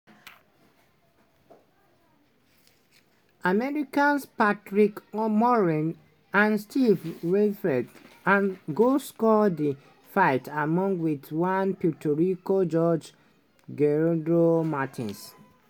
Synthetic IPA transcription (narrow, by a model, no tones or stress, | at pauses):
amɛɹikãnspatɹikmɔɹĩn | ãnstʰivɹɛdɹɛdãnɡoskɔdi | faɪtamɔ̃ŋɡwitwãnputʰɔɹikod͡ʒɔd͡ʒ | ɡɛɹdɹomatʰḭ̃ns